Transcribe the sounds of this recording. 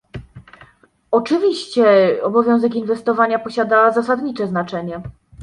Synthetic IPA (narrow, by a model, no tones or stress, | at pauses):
ɔt͡ʂɘvʲiɕt͡ɕɛɔbɔvʲjɔ̃w̃zɛkinvɛst̪ɔvaɲapɔɕad̪azasad̪ɲit͡ʂɛznat͡ʂɛɲɛ